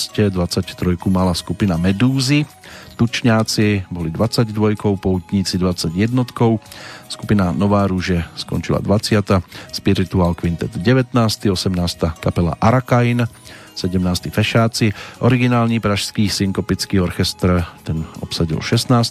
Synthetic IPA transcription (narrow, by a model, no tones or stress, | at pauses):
scɛd̪ʋat͡sact̪ɾɔjkumalaskupinamɛd̪uːzi | t̪ut͡ʃɲaːt͡sibɔlid̪ʋat͡saɟd̪ʋɔjkɔʊpɔut̪ɲit͡sid̪ʋat͡saɟjɛd̪nɔt̪kɔʊskupinanɔʋaːɾuʒɛskɔ̰nt͡ʃila̰d̪ʋat͡sɪat̪aspiɾit̪uaːlkʋint̪ɛt̪ɟɛʋɛt̪naːst̪iɔsɛmnaːst̪akapɛla̰ʔaɾakain | sɛɟɛmnaːst̪ifɛʃaːt͡siʔɔɾiɡinaːlɲipɾaʃskiːsiŋkɔpit͡skiːɔɾxɛst̪ɾt̪ɛnɔ̰psaɟḭlʃɛst̪naːst̪